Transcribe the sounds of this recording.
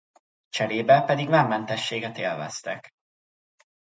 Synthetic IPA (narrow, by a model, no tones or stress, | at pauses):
t͡ʃɛɾeːbɛpɛd̪iɡmamːɛnt̪ɛʃːeːɡɛt̪eːlvɛ̰st̪ɛk